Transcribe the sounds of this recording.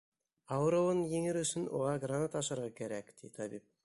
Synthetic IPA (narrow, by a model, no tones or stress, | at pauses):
ɑwɾəwənjeŋɪɾʏsɪnwo̰ʁɑɡranat̪ɑʃəɾʁɑkʲʰeɾekd̪̥ḛt̪ʰɑbip̚